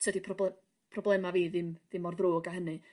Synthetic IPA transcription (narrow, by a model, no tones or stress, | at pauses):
tʰədipʰrɔbɛ | pʰrɔblˠɛmaviːðɪmðɪmɔrðroːɡaɦənɨ